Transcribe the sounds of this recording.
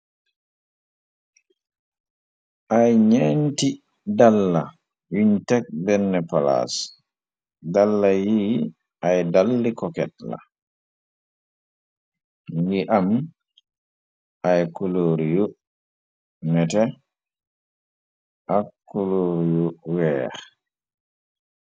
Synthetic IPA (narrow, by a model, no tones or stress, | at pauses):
ʔajɲenti | dalːa | wintɛk̚bɛnːɛpala̰s | dalːaji | ʔajdalːikɔkɛtla̰ | ŋiʔam | ʔajkuloːɾijo | mɛtɛ | ʔakːuloɾijowɛːɾ